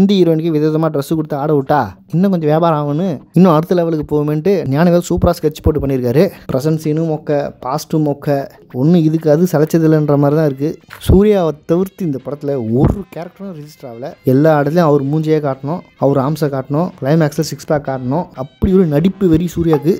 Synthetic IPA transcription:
nd̪ɐɪɾoːɪnkeʋɪðoːðɐmaːɖɾɐsːɯkɔɽɯt̪ːɐaːɽɐʋɯʈːaːɪnːɐk̬ɔɲd͡ʒɐ̃ʋjeːbaːɾaːʋɐnɯɪnːʊ̃ɐɽɯt̪ːɐlɛʋɐlɯkːɯpoːɣɯmɛɳʈːɯnjaːnɐʋeːlɐsuːpɾaːskɐɾt͡ʃːɯ̥poːʈ̬ːɯpɐɳːɪɾɯkːaːɾɯpɾʔɛsɐnsɪnɯmoːkːɐpaːsʈɯmoːkːɐ | ɔnːɯɪðɯkːɐðɯsɐlɐt͡ʃːɐðɪlːɐndrɐmaːd̪ɾit̪ãːɪɾɯk̬ːɯsuːɾɪjaːʋɐt̪ɐʋɪɾt̪ːiɪnd̪ɐpɔɽɐt̪ːɪlɐɔɾɯkeːɾɐk̚ʈɾɐɾɪd͡ʒɪsʈɾaːʋɪlɐɛlːaːɪɽɐt̪ːɪlɐ̃ɐʋɐɾɯmuːɲd͡ʒɐjeːkaːʈːɐɳʊ̃ | ɐʋɐɾɯaːmsɐkaːʈːɐɳʊ̃kɭɐɪmaːksɐlsɪkspaːkːkːaːʈːɐɳʊ̃ɐpːɐɽiɔɾɯnɐɽɪpːɯʋɛɾɪjɐsuːɾɪjaːkːɯ

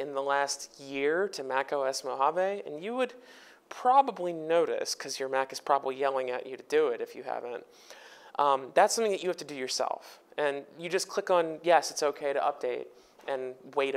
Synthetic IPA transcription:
ɨ̃nðəlæst̚jɪɹɾɨmækoʊɛsmoʊɦɑveɪɨ̰̃njɨwɨd̚ | pʰɹ̥ɑbəblinoʊɾɨ̰skʰʌzjə˞mækɨz̥pʰɹ̥ɑbəblijɛlˠɪ̃ŋɨ̰t͡ʃɨɾɨdɨɪɾɨfjɨhæ̰vɨ̃nt̚ | ʔʌ̃ðætsʌ̃mθɪ̃ŋðɨt͡ʃɨhæftɨdɨjə˞sɛ̰lˠfɨ̃njɨd͡ʒʌskʰl̥ɪkn̩jɛsɨtsoʊkʰeɪɾɨ̰ʔʌp̚d̥eɪɾ | ɨ̃nweɪɾ

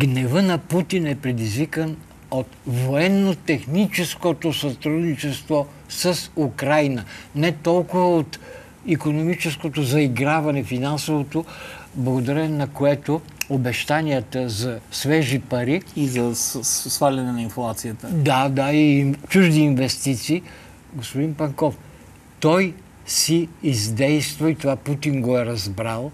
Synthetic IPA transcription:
ɡnɛvənɐput̪inɛpɾɛd̪izvikən | ot̪voɛnːot̪ɛxnit͡ʃɛskot̪osɐt̪ɾud̪nit͡ʃɛst̪vo | səsukɾajnənɛt̪ɔlˠkʊvəot̪ | ikonomit͡ʃɛskot̪ozɐiɡɾavɐnɛfinansovot̪oblˠɐɡod̪ɐɾɛnnɐkoɛt̪o | obɛʃt̪aniət̪əzɐsvɛʒipɐɾiizɐsvalʲɐnɛnɐinflˠat̪sijət̪əd̪ad̪ait͡ʃuʒd̪iːnvɛst̪it̪siː | ɡospʊd̪inpɐŋkɔf | t̪ɔj | siːzd̪ɛjst̪vɐit̪ovaput̪inɡoɛɾɐzbɾalˠ

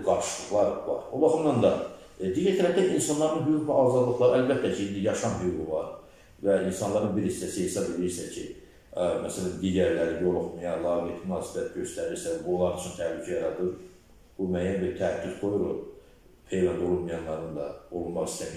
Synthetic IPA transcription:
ɡɑɾʃɯlˠɯχlˠɑɾvɑ̰ɾobɑχɯmd̪ɑnd̪ɑ | d̪iːɟæɾt̪ʰæɾæbt̪æinsɑnlːˠɑɾɯnɦyuɣvæɑːzɑd̪lˠɯχlˠɑɾælbæt̪ʰːæcʰiind̪ijɑʃɑnɦyjuɡuvɑɾ | væinsɑnlˠɑɾɯnbiɾhist̪æsihesɑbeliɾsæcʰi | mæsælænd̪iːɟæɾlæɾijo̞lˠoχmɑjɑlˠɑːvit̪ʰmynɑːsi̥bæt̪̚ɟø̞st̪æɾiɾsævbulˠɑɾt͡ʃʰynt̪ʰæhlycʰæjɑɾɑd̪ɯɾ | b̥umæjænbiɾt̪ʰææd̪ːyzɡo̞juɾṵ | pʰejvænd̪o̞lˠunmujɑnlːˠɑɾɯnd̪ɑ̰o̞lˠunmɑχist̪æmi

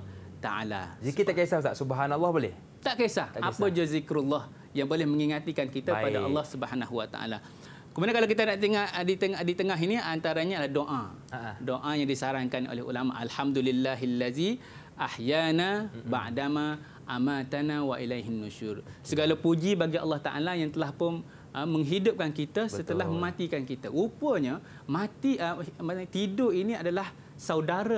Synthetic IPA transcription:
t̪a̰ʔa̰la̰ikit̪akesataʔsubaɦanɑlːɔhboleh | t̪aʔkesahʔapəd͡ʒuzikɾulːɔh | jaŋbolɛhmə̃ŋiŋat̪ikankit̪akpadaʔɑlːɔhsubəhanaɦuwat̪a̰ʔa̰la | kəmadaŋkalakit̪anaʔt̪iŋaʔdit̪əŋdit̪əŋaɦiniant̪aɾaɲaalahdoʔa | doʔajaŋdisaɾaŋkanʔo̰lɛhṵlama̰ʔalħamd̪ulilːaɦalːaði | ʔahjanaba̰ʔdama | ʔamat̪anawaʔilajɦinːuʃursəɡalapud͡ʒibaɡiʔɑ̰lːɑht̪a̰ʔa̰lajaŋt̪əlahpʊn | ʔəmːə̃ŋɦidʊp̚kankit̪asət̪əlaɦmə̃mãt̪ikankit̪aʔupəɲa | mãt̪iʔət̪idʊʔiniadalah | sawdaɾa

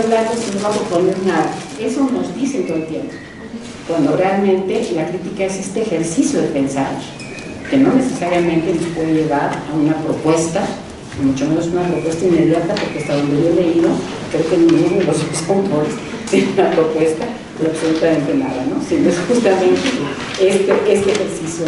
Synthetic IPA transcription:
zðat̪osinoβapɾopo̞neɾnaða | e̞sono̞zd̪isent̪oðelt̪jempo̥ | kwand̪o̞realmẽnt̪e̞lakɾit̪ikaese̞st̪eːxe̞ɾsisjo̞ðepe̞nsaɾ | ke̞no̞ne̞se̞saɾjamẽnt̪e̞no̞spwe̞ðeʝe̞ɣaɾaunapɾo̞pwe̞st̪a | nimut͡ʃomenosunapɾopwe̞st̪ainme̞ðjat̪apo̞ɾkest̪aod̪eβeleiðo | kɾeokenĩŋɡumolososkont̪ɾoles | seunapɾopwe̞st̪a | aβsolut̪amẽnt̪e̞naða̰no̞sinoesxust̪amẽnt̪e | est̪eʔest̪eːxe̞ɾsisjo

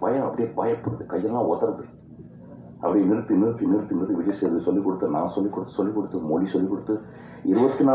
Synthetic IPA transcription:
pɐjɐ̃ɐpːɐɽɪjɐbaːjɐpːɐɽɐðɯkɐjːɐllːãːɔt̪ːɐɾɐðɯ | ɐ̰pːɐɽijnɪɾt̪ːɯɪnːɐɾɯt̪ːɯnːɪɾɯt̪ːɯnbɐðɯʋɪɻɐseɾðɯsɔlːikːɔɽɯt̪ːɯnã̰ːsɔlːikːɔɽɯt̪ːɯ̥sɔlːikːɔɽɯt̪ːɯmɔlisɔlːikːɔɽɯt̪ːɯ | ɪɾɯʋɐt̪ːinaː

